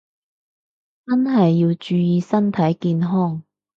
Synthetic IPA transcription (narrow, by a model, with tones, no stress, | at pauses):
t͡sɐ˥nɦɐ˨jːiː˧wt͡ʃyː˨˧jiː˧sɐ˥nt̪ʰɐ˨˥jkiː˧nɦɔː˥˩ŋ